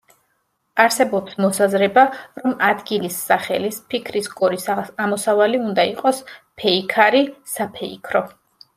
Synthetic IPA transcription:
aɾsɛbɔpsmɔsazɾɛbaɾɔmad̪ɡilisːaχɛ̰lispʰikʰɾiskʼɔɾisamɔsavaliund̪aiqʼɔspʰɛikʰaɾisapʰɛikʰɾɔ

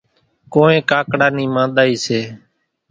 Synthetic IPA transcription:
koːẽːkaːkɽaːniːmãːɗ̪aːiːseː

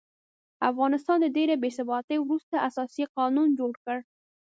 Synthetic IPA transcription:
afɣɑnɪst̪ɑnd̪ədeɾabesɪbɑt̪əjwɾust̪aʔasɑsiqɑnund͡ʒoɽkəɽ

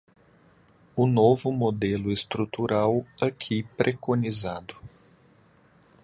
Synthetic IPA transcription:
ʊnovʊmod̪elʊest̪ɾut̪uɾʔawɐkʰipɾʔekonizad̪ʊ

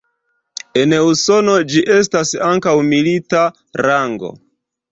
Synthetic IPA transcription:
e̞neuso̞no̞d͡ʒiʔe̞stasaŋkawmilita | ɾaŋɡo̞̰

